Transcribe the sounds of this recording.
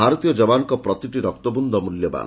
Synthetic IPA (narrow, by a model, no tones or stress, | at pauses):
aɾɔt̪ijɔd͡ʒɔbankɔpɾɔt̪iʈiɾɔk̚t̪ɔbund̪ʱɔmuljɔba̰n